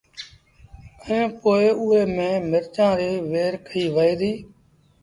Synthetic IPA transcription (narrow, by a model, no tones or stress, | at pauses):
əẽːpoːeuːɦeːmẽːmɪɾt͡ʃãːɾeːʋeːɾkʰəiːʋəeːɾiː